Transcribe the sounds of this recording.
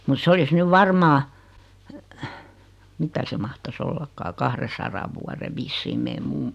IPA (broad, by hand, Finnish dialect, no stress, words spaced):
mut s olis nyʋ ʋɑrmɑː mitæ se mɑhtɑs olːɑkːɑː kɑhresɑrɑʋ̆ ʋuɑre ʋisːiːm meː mumːu̥